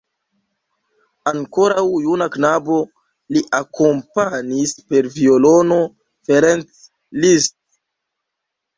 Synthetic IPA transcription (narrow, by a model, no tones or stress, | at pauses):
aŋko̞ɾawjunaknabo̞ | liʔako̞mpanispe̞ɾviolo̞no̞ | feɾent͡s | list